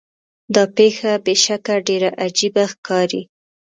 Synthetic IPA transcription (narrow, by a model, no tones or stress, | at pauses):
d̪ɑpexabeʃakaɖeɾaʔad͡ʒibaxkɑɾi